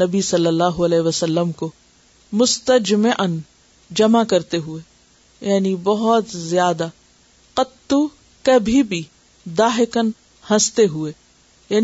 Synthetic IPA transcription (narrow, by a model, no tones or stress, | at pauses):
nɐbisɐlːəlːaːɦoɐlɛːʋəsəlːəmko | mʊst̪əd͡ʒmeʔən | d͡ʒɐmakɐɾt̪eɦʊe | jaːnibɐɦɔt̪zjaːd̪a | qɐt̪ːu | kabʱibʱi | d̪aːɦɪkən | hɐ̃st̪eɦʊe | jaːn